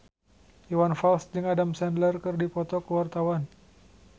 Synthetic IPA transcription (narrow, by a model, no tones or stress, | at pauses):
iwanfalsd͡ʒɨŋadamsɛndlərkɨrdipɔt̪ɔkəwart̪awan